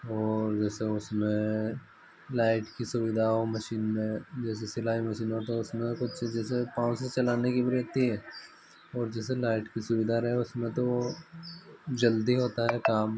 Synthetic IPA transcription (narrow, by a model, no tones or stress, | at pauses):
ɔːɾd͡ʒɛːseʊsmẽ | laːɪʈkisʊʋɪd̪ʱaɦoːmɐʃiːnmẽd͡ʒɛːs̬esɪlaːɦimɐʃiːnɦot̪eʊsmẽkʊt͡ʃʰd͡ʒɛːsepãːset͡ʃɐlaːnekibiɾɛɦt̪iɦɛː | ɔːɾd͡ʒɛːselaːɪʈkisʊʋɪd̪ʱaɾɐɦeʊsmẽt̪o | d͡ʒɐld̪iɦoːt̪aɦɛkaːm